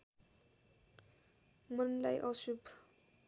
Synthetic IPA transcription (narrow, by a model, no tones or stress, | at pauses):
mʌnlajʔʌsubʱ